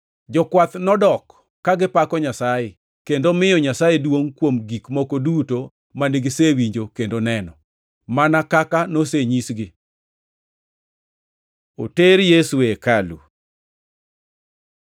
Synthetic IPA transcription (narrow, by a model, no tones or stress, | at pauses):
d͡ʒɔkwat̪nɔdɔkː | aɡɪpakɔɲasaje | kendomɪjɔɲasajedwoŋkwomɡikmokoduto | maniɡɪsewiɲd͡ʒokendonɛnɔ | manakakanoseɲisɡɪ | oteɾjesuekalṵ